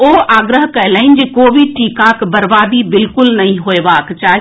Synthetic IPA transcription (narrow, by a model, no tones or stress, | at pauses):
oːʔaːɡɾəɦkɐleɪnd͡ʒekoːʋiʈiːkakbəɾbaːd̪ibɪlkʊlnɐɦĩɦoːeʋaːkt͡ʃaːɦ